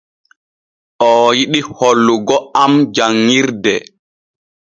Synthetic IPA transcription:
ʔɔːjiɗiholːuɡɔamd͡ʒaŋːiɾdɛ

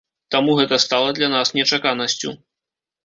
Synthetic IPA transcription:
t̪amuɣɛt̪ɐst̪alˠɐd̪lʲanasnʲɛt͡ʂakanɐsʲt͡sʲṵ

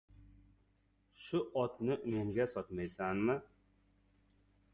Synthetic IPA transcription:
ʃʊʔɒt̪nɪʔmeŋɡʲasɒt̪majsanmɪ

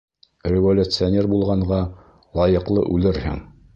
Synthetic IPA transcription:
rʲɪvolʲut̪sɨonʲerbulˠʁɑɴɢɑ | lˠɑjɤ̆qlˠɤ̰ʔʉlɘɾhɘ̰ŋ

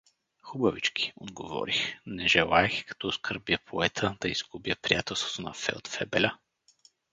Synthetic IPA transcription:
xubəvit͡ʃki̥od̪ɡovɔ̰ɾixnɛʒɛlˠaɛxkɐ̥t̪ɔskʰəɾbjəpʰoɛt̪ʰəd̪̥ɐizɡubjəpɾijat̪ɛlˠst̪vo̥t̪onɐ̰fɛ̰lt̪fɛbɛlʲə

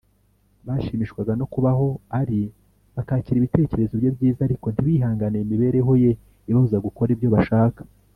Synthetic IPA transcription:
βaːʃiːmiʃkwaɡano̞kuβaɦo̞aɾi | βakaːciɾiβite̞ːce̞ɾe̞zobjo̞bɟiːzaːɾiko̞n̥tiβiːɦaːŋɡaneimiβe̞ːɾe̞ɦo̞je̞ | iβonzaɡuko̞ɾibjo̞βaʃaːkḁ

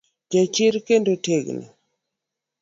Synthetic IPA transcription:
d͡ʒat͡ʃɪɾkendoteɡna̰

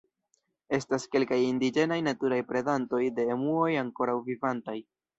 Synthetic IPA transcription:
e̞staske̞lkajindid͡ʒe̞najnatuɾajpɾe̞danto̞jde̞ːmuo̞jaŋko̞ɾawvivantaj

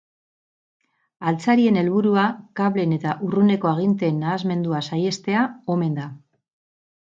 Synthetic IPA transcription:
alt͡saɾie̞ne̞lβuɾuakaβle̞ne̞t̪aʔurune̞ko̞aɣ̞int̪e̞nːaːzme̞nd̪uasaje̞st̪e̞ao̞me̞nd̪a

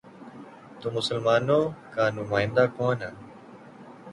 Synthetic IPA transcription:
t̪oːmʊsəlmaːnoːkãːnʊmaːɪ̃nd̪aːkoːnaː

